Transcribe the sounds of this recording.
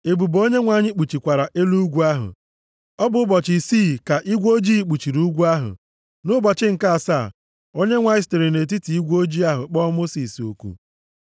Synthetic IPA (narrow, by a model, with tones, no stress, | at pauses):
e˨bu˨bo˦ɲe˦ŋʷa˨ɲɪ˦k͡pu˨t͡ʃi˨kʷa˨ɾa˨ʔe˦lu˦ɡʷu˦a˦ɦʊ̰˨ | ɔ˦bʊ˨˦ʊ˦bɔ˨t͡ʃi˨siː˦˨ka˨ʔi˦ɡʷo˦d͡ʒiː˦˨k͡pu˨t͡ʃi˨ɾu˦ɡʷu˦a˦ɦʊ̰˨ | nʊ˦bɔ˨t͡ʃɪ˦ŋ̩˨ka˦a˨sa˦˨ | o˦ɲe˦ŋʷa˨ɪ˦ste˨ɾi˨ne˨t̬i˦ti˨i˦ɡʷo˦d͡ʒi˦a˦ɦʊ̰˨k͡pɔ˦mo˦si˨so̰˨kṵ˦